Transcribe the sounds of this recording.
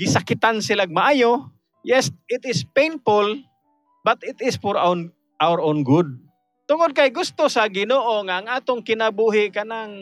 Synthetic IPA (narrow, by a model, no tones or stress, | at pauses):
ɡɪsakɪt̪ansɪlaɡ̚maʔaːjo | jɛsɪt̪ɪspejnfʊl | bat̪ɪt̪ɪsfɔɾan | ʔawəɾʔonɡʊd̪̚ | t̪ʊŋʊd̪̚kajɡʊst̪osaɡɪnoːʔoŋaʔːŋʔaːt̪ʊŋkɪnabuːɦɪkanaŋ